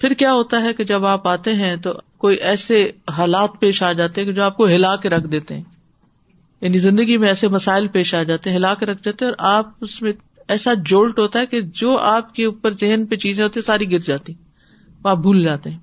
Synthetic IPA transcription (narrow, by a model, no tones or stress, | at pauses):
pʰɪɾkjaːɦoːt̪aɦɛked͡ʒɐbaːpaːt̪eɦɛ̃t̪okoːiʔɛːseɦaːlaːt̪̚peːʃaːd͡ʒaːt̪eɦɛ̃ked͡ʒoːaːp̚koɦɪlaːkeɾɐkʰd̪eːt̪eɦɛ̃ː | jaːnizɪ̃nd̪əɡimẽɛːsemɐsaːɪlpeːʃaːd͡ʒaːt̪eɛ̃ɦɪlaːkeɾɐk̚ʰd͡ʒaːt̪eɦɛ̃ɔːɾʔaːp̚ʊsmẽ | ɛːsad͡ʒoːlʈɦoːt̪aɦɛked͡ʒoːʔaːp̚keuːpəɾzɪɦnpet͡ʃiːzẽɦoːt̪ĩːsaːɾiɡɪɾd͡ʒaːt̪ĩɛ̃ | oaːp̚bʱuːld͡ʒaːt̪eɦɛ̃ː